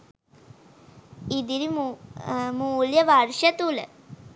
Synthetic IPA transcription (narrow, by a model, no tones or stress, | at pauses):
id̪iɾi | muːljɐʋarʂɐt̪ulə̰